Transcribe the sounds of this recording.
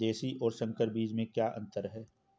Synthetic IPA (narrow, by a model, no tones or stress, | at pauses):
d̪eːsiʔɔːɾsɐ̃ŋkʰəɾbiːd͡ʒmẽkjaːʔɐ̰̃nt̪əɾɦɛː